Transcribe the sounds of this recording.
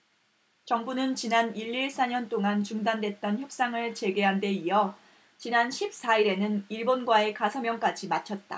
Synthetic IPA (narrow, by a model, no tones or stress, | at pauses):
t͡ɕʌŋbunɯnt͡ɕinaniʎːiɭs͈aɲʌnt͈oŋant͡ɕuŋdandwe̞t̚t͈ʌnçjʌp̚s͈aŋɯɭt͡ɕe̞ɡe̞ɦande̞ijʌ | t͡ɕinanɕʰip̚s͈aiɾe̞nɯniɭbonɡwae̞kasʰʌmjʌŋk͈ad͡ʑimat͡ɕʰʌt̚t͈a̰